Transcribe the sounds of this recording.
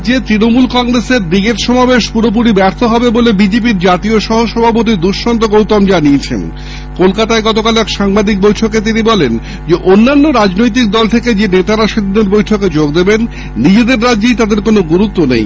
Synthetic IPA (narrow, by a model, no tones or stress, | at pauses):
d͡ʑet̪ɾinomulkɔŋɾeseɾd̪iɡeɾʃɔmabeʃpuɾop̬uɾibɛɾt̪ʰoɦɔbebolebid͡ʑep̬iɾd͡ʑat̪ioʃɔɦoʃɔbʱap̬ot̪̬id̪uʃːɔnt̪oɡowt̪ɔmd͡ʑaniet͡ɕʰḛn | kolkat̪aeɡɔt̪okalɛkʃaŋbad̪ik̚bojʈʰoket̪̬inibɔlen | d͡ʑeʔonːanːoɾad͡ʑnojt̪̬ik̚d̪ɔlt̪ʰeked͡ʑenet̪aɾaʃad̪ʱid̪eɾbojʈʰoked͡ʑoɡd̪ebenː | id͡ʑed̪eɾːadːejt̪ad̪eɾkonoɡuɾut̪ːonḛj